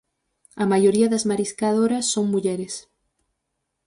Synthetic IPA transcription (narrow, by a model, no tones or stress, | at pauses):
ɐmajoɾiɐðɐzmaɾiskaðoɾɐsːoŋmuʎɛɾɪs